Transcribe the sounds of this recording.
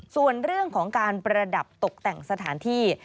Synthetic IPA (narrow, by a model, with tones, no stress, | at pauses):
su˨˩ənɾɯ˥˩əŋkʰɔː˩˦ŋkaː˧npɾa˧da˨˩p̚t̪o˨˩k̚t̪ɛ˨˩ŋsa˧t̪ʰaː˩˦nt̪ʰiː˥˩